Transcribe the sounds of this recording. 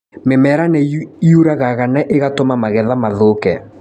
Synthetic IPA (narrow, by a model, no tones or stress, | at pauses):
memɛɾanɛiuɾaɣaɣanɛʔeɣatomamaɣɛðamaðokɛ